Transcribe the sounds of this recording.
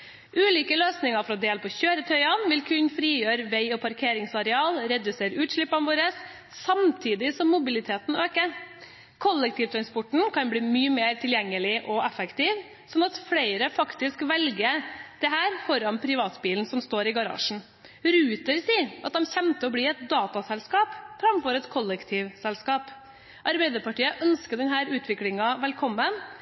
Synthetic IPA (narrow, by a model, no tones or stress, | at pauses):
ʔʉːliːkəløːsnɪŋɑfɾɔd̪eːlpʰɔçøːɾət̪ʰœʏɑnʋɪlkʰʉnfɾiːjøːɾʋɛɪɔpʰɑɾkʰeːɾɪŋsɑɾɛɑːlɾɛd̪ʉseːɾʉːt̪ʂɭɪpːɑnʋoːɾəsː | ɑmt̪ʰiːd̪ɪsɔmːʊbɪlɪt̪ʰeːt̪n̩øːkə | kʰɔlːɛk̚t̪ʰiːʋt̪ʰɾɑnspɔʈɳ̩kʰɑnbɽiːmyːəmeːɾt̪ʰɪljɛŋːəlɪʔɔɛfəkt̪iːʋ | sɔnːɑt̪fleɪɾəfɑkt̪ɪskʋɛlɡəd̪̥ɛɦæːɾfɔɾɑnpʰɾɪʋɑːt̪biːln̩sɔmst̪oːɾɪɡɑɾɑ̰ːʂɳ̩ | ɾʉːt̪əɾsiːʔɑt̪̚d̪ɛmçɛmt̪əɔbliːɛt̪̚d̪ɑːt̪ɑsɛlskɑːpfɾɑmfɔːɾɛt̪kʰɔlːɛkt̪ʰiːʋsɛlskɑːp | ʔɑɾbɛɪd̪əɾpɑʈiːəʔœnskəd̪ɛnɦæːɾʉːt̪ʰʋɪklɪŋɑʋɛlkʰɔmːən